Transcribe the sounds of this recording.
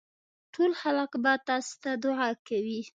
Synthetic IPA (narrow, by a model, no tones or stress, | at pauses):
ʈolxaləqbat̪ɑst̪ad̪ʊʕakawi